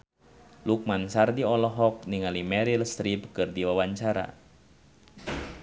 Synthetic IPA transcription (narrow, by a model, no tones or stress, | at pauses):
luk̚mansardiɔlɔɦɔk̚niŋalimɛɾilst̪ɾipkɨrdiwawaɲt͡ʃaɾa̰